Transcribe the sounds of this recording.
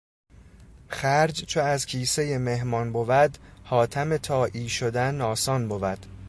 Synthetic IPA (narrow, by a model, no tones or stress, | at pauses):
χæɾd͡ʒt͡ʃʰoæzcʰiːse̞jeme̞hmɒːnbovæd̪hɒːt̪ʰæmet̪ʰɒːʔiːʃod̪ænɒːsɒːnbovæd̪̥